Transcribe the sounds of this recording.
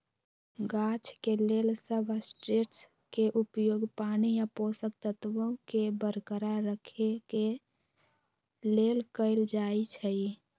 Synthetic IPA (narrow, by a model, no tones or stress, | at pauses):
ɡat͡ʃkelelsəbəsʈɾeʈs | keʔupjoːɡpanijaposək̚t̪ət̪ʋõkebəɾkəɾaɾəkʰeke | lelkəɪld͡ʒait͡ʃʰəi